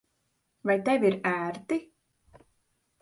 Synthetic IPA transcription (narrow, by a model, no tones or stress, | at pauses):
vajt̪ɛvʲiɾæːɾt̪i